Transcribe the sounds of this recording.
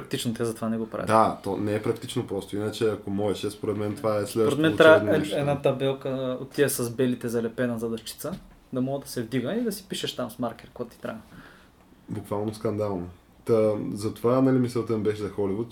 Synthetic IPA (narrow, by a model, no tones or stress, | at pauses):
pɾɐk̚t̪it͡ʃnot̪ɛzɐt̪ovanɛɡopɾa̰vɛ̰d̪at̪onɛɛpɾɐk̚t̪it͡ʃnopɾɔst̪oinət͡ʃɛɐkomɔɛʃɛspoɾɛt̪mɛnt̪ovaɛslɛd̪oɾɛt̪mɛnt̪ɾaɛɛd̪nat̪ɐbɛlˠkəot̪ːiɛsɐzbɛlit̪ɛzɐlɛpɛnɐzɐd̪ɐʃt͡ʃi̥t̪sə | d̪ɐmɔɡəd̪ɐsɛvd̪iɡəid̪ɐsi̥piʃɛʃt̪amsmaɾkʲɛɾkɔt̪ːi̥t̪ɾa̰ɡə | bukvalˠnoskɐnd̪alˠno | t̪əzɐt̪ovanɐlimisɛt̪ɛmbɛʃɛzɐxɔlivʊt̪